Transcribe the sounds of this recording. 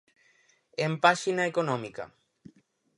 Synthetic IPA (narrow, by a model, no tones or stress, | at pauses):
empaʃinaekonõmika̰